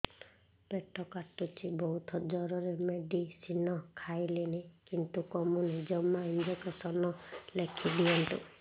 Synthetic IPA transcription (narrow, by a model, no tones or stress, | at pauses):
b̥eʈɔkaʈut͡ʃʰibɔɦut̪ʰɔd͡ʒɔɾɔɾemeɖisinɔkʰajlenekint̪ukɔmunid͡ʒɔmːaind͡ʒekesɔnɔlekʰid̪iɔnʈ̪ṵ